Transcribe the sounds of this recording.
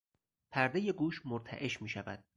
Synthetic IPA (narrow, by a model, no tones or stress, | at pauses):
pʰæɾd̪eje̞ɡuːʃmoɾt̪ʰæ̰ʔe̞ʃmiːʃævæ̰d̪̥̚